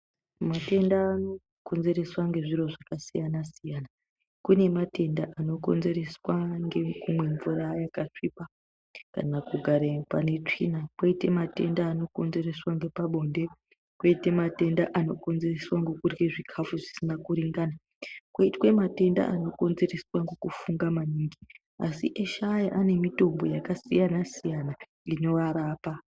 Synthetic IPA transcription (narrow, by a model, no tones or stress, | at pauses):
mate̞ndaːno | ko̞nze̞ɾe̞swaŋɡe̞ʐiɾo̞ʐakasijanasijana | kune̞mate̞ndaʔano̞ko̞̰nze̞ɾeswaŋɡe̞kumwe̞ɱvurajakaʂipa | ka̰nakuɡʱaɾepane̞t͡ʂḭnakwaite̞mate̞̰ndaːno̞ko̞nze̞re̞swaŋɡepaɓo̞nde | kweitemate̞ndaʔano̞̰ko̞nze̞reswaŋɡokurɡeʐikʰafuʐisinakuɾiŋɡana | kwaitwe̞mate̞nda̰ano̞ko̞nze̞reswaŋɡokufuŋɡamaniːŋɡi | asḭʔeʃajaʔane̞mito̞mbo̞jakasijanasijana | ino̞ʋaɾaːpa